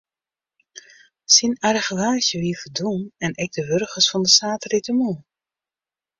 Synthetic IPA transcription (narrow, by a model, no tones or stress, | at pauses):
sinaɾəɣəʋaːzjəʋiːfədunɛnʔɛɡ̚dəʋørɣəsfɔndəsaːtəritəmu